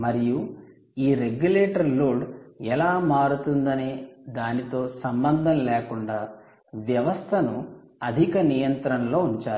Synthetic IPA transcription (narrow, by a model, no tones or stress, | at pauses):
mɐɾiju | iːɾeɡjuleːʈɐɾloːɖɛlaːmaːɾut̪und̪ɐnid̪aːnit̪o̞ːsɐmbɐnd̪ʱɐmleːkuɳɖaː | ʋjɐʋɐst̪ʰɐnu | ɐd̪ʱikɐnijɐnt̪ɾɐnlo̞ːuɲt͡ʃaːɾu